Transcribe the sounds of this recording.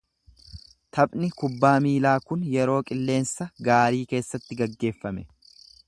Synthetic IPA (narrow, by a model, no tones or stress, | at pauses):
t̪ʰɐpʼnɪkʊbːaːmiːlaːkʊnjɛɾo̞ːkʼɪlːe̞ːnsɐɡaːɾiːke̞ːsːɐt̪ːɪɡɐɡːe̞ːfːɐmɛ